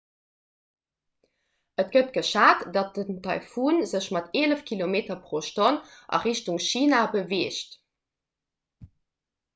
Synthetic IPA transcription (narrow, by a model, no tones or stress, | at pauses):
ʔətɡ̥ətɡ̥əʃaːtdɑt̚əntʰɑɪfuːnzəɕmɑteːləfkʰilomeːtɐpʁoʃtonʔɑ̰ʁiʃtuŋʃiːnabəveːʃt